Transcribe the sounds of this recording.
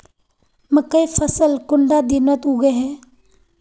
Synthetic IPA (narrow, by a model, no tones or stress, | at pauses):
məkəifʰəsəlkʊɳɖad̪inət̪uɡeɦɛː